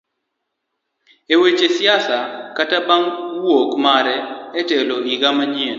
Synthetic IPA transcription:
ewet͡ʃesɪasakatabaŋwokmaɾɛːteloiɡamaɲen

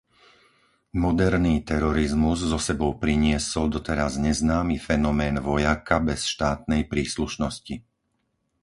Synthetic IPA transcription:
mɔd̪ɛɾniːt̪ɛɾɔɾizmuzːɔsɛbɔʊpɾiɲɪɛsɔld̪ɔt̪ɛɾazɲɛznaːmifɛnɔmɛːnʋɔjakabɛsʃt̪aːt̪̚nɛjpɾiːsluʃnɔsci

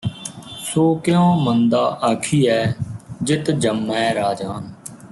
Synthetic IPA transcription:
soːkɪjõːmənd̪aːʔəkʰiːɛːd͡ʒɪt̪d͡ʒəmːɛ̃ːɾaːd͡ʒaːn

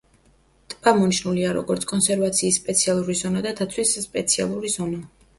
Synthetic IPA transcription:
t̪ʼpʼamɔniʃnuliaɾɔ̰ɡɔɾt̪sʰkʼɔnsɛɾvat̪sʰiːsːpʼɛt̪sʰialˠuɾizɔnad̪ad̪ʰat̪sʰwisːpʼɛt̪sʰia̰lˠuɾizɔna

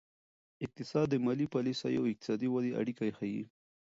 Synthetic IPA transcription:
ɪk̚t̪ɪsɑd̪ːəmɑlipɑlisaja̰wɪq̚t̪ɪ̥sɑd̪iwad̪iʔa̰ɽikajexajḭ

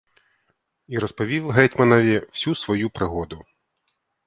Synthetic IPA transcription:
iɾɔspɔʋʲiwɦɛtʲmɐnɔʋʲiw̥sʲusʋɔjupɾɪɦɔd̪ʊ

